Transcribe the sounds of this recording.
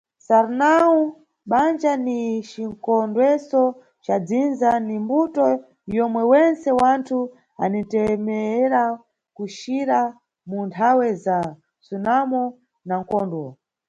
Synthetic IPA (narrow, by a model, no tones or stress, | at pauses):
saɾnau | ɓand͡ʒanit͡ʃiŋkɔndwɛsɔ | t͡ʃad͡zinzanimbutɔ | jɔmwɛwɛnsɛwantʰu | a̰nintɛmɛɛɾa | kuʃiɾa | muntʰawɛza | sunamɔ | naŋ̩kɔːndwɔ